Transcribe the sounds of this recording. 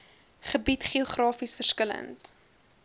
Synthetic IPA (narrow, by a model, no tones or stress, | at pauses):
χəbitχioχrɑːfisfərskələ̰nt